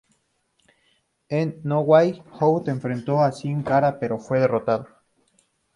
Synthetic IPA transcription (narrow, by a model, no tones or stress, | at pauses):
enːowajhowt̪eːɱfɾent̪oasiŋkaɾapeɾofweðerot̪aðo